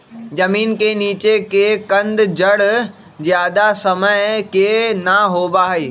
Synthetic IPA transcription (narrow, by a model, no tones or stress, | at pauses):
d͡ʑɐmiːnkeniːt͡ɕekekɐ̃nd̪d͡ʑɐɽ | d͡ʑijaːd̪asɐməɪkenɐɦoːbaːɦeː